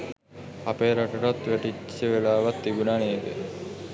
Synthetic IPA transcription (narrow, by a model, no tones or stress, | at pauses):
apeːɾaʈəʈat̪ʋæʈit͡ʃːəʋelaːʋat̪ːibunaneːd̪ḛ